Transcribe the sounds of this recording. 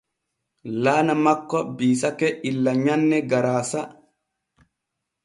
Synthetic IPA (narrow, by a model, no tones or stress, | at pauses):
laːnamakːɔbiːsakɛʔilːaɲanːɛɡaɾaːsa